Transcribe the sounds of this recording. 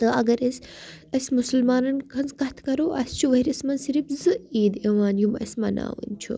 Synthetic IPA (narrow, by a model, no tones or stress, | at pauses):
t̪əɐɡɐɾɐsʲ | ɐsʲmusɐlmaːnɐnkʰɐnzkɐt̪ʰkɐɾoːʔɐ̰st͡ʃʰuʋɐiɾismɐnsiɾibzɨiːd̪ɐʋaːnjumɐ̰smɐna̰ːʋɐ̰nt͡ʃʰṵ